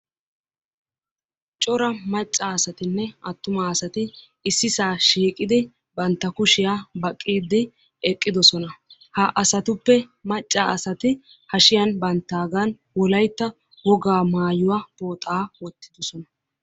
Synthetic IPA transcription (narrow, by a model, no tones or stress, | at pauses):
t͡ʃʼɔɾɐmɐt͡ʃʼːɐːsɐt̪ɪnːɛɐt̪ːʊmaɐsɐt̪ɪ | ɪsːɪsaːʃiːkʼɪd̪ɪ | bɐnt̪ːɐkʊʃɪjaːbɐkʼːiːd̪ːɪ | ɛkʼːɪd̪ɔsɔnɐhɐʔɐsɐt̪ʊpːɛmɐt͡ʃʼːaɐsɐt̪ɪ | hɐʃɪjɐnbɐnt̪ːaːɡan | wɔlɐjt̪ːɐ | wɔɡaːmaːjʊwaːboːt̪ʼaːwɔt̪ːɪd̪ɔsɔnɐ